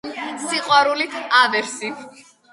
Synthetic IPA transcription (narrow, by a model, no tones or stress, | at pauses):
siqʼwaɾulit̪ʰavɛɾsi